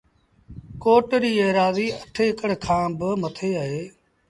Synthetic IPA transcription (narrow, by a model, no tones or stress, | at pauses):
koːʈɾiːeːɾaːziːəʈʰeːkəɽkʰãːbɪmət̪ʰeːaːɦeː